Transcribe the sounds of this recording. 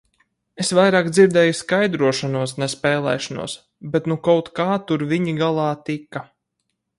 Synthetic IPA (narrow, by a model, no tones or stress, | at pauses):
esvajɾaːkd̪ziɾd̪ɛːjuskajd̪ɾuɔʃanuɔsnɛspɛːlˠɛ̰ːʃanṵɔs | bɛt̪nukawt̪kaːt̪uɾviɲiɡalˠɑːt̪ika